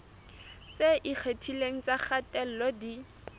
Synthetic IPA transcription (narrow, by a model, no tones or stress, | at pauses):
t͡seʔik͡xʰetʰileŋ̩t͡saχatɛl̩lɔdi